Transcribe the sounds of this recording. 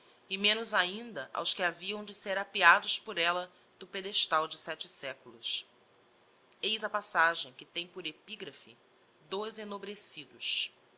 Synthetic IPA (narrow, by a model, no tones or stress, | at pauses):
ɪmẽnʊzaĩnd̪ɐʔa̰wskɪaviɐ̃w̃d͡ʒɪseɾapiad̪ʊspʊɾɛlɐ | d̪̥ʊped̪eʃt̪awd͡ʒɪsɛt͡ʃɪsɛkulʊs | ejzɐpasaʒẽj̃kɪt̪ẽj̃pʊɾepiɡɾɐfḭ | d̪ojzenobɾesid̪ʊs